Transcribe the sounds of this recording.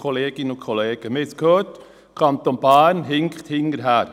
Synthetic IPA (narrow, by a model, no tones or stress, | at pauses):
ɔleːɡ̥ɪnəʊkʰχɔleːɡ̥əmɪskʰhøːt | kʰɑnt̪onb̥æːnɦɪŋkχt̪hɪŋːəɾɦæːɾ